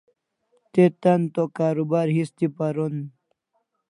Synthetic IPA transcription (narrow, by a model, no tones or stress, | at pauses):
t̪et̪ɐnt̪okaːɾubaɾɦist̪ipaɾon